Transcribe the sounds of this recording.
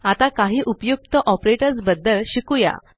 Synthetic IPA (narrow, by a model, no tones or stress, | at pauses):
at̪akaɦiːʔupjuk̚t̪əʔɔpɾeʈəɾt͡sbəd̪ːəɭɕikuja̰